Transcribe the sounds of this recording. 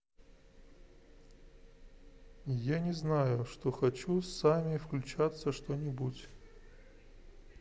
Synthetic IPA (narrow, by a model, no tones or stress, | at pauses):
janʲɪznajʊʂt̪oxɐt͡ɕusamʲɪfklʲʉt͡ɕat̪səʂt̪onʲɪbutʲ